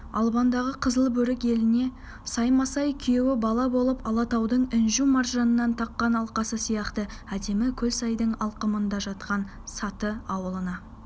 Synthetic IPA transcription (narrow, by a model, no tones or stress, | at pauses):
ɑ̰lˠbɑnd̪ɑʁəqʰəzəlˠbɵɾɪke̞lɪne̞ | sɑjmɑsɑjkʲʰʏjewɪbɑlˠɑbo̞lˠəpɑlˠɑt̪ɑwd̪əɴɪnʒumɑrʒɑnənːɑnt̪ʰɑqːɑnɑlˠqɑsəsijɑqt̪əæd̪e̞mɪkʲʰɵlsɑjd̪əɴɑlˠqəmənd̪ɑʒɑt̪̚qɑnsɑt̪əɑwəlˠənɑ